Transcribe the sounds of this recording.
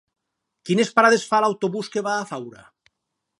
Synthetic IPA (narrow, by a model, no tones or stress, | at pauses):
kinespaɾaðesfalawt̪oβuskeβaːfawɾa̰